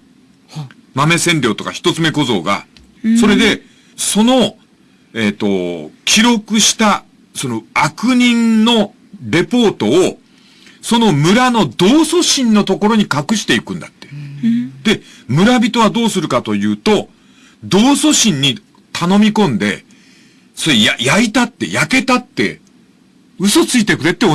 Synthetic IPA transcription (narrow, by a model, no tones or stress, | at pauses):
mame̞sẽ̞nɾʲo̞ːt̪o̞ka̰çʲi̥t̪o̞t͡sɨmeko̞zo̞̰ːɡa̰ | so̞ɾe̞d̪e̞ | so̞no̞ | e̞t̪ːo̞kʲʰiɾo̞kɯ̟ɕi̥t̪a | so̞no̞akɯ̟ɲ̟ĩnno̞ | ɾe̞po̞ːt̪o̞ː | so̞no̞mɯ̟ɾano̞d̪o̞ːso̞ɕĩnːo̞t̪o̞ko̞ɾo̞ɲ̟ikakɯ̟ɕi̥t̪e̞ikɯ̟̃nd̪at̪ːed̪̥e̞ | mɯ̟ɾabʲit̪o̞β̞ad̪o̞ːsɨɾɯ̟kat̪o̞jɯ̟ːt̪o̞ | d̪o̞ːso̞ɕĩɲ̟ːi | t̪ʰano̞mʲikõ̞nd̪e̞̰ | so̞ɾejajait̪at̪ːe̞̰jake̞t̪at̪ːe̞̰ | ɯ̟so̞t͡sɨit̪e̞kɯ̟ɾe̞t̪ːeo